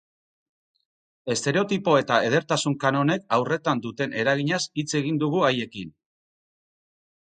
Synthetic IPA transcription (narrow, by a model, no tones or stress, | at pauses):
e̞st̪e̞ɾe̞o̞t̪ipo̞e̞t̪ae̞ð̞e̞ɾt̪asuŋkano̞ne̞kawre̞t̪and̪ut̪e̞nʔe̞ɾaɣiɲasit͡se̞ɣind̪uɣ̞uaje̞kin